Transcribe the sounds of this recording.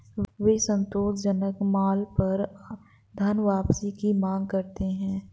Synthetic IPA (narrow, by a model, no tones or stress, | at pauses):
ʋeːsə̃nt̪oːʃd͡ʒənəkmaːlpɐɾ | d̪ʱaːnʋaːpsikimãːŋɡkɐɾt̪eɦɛ̃ː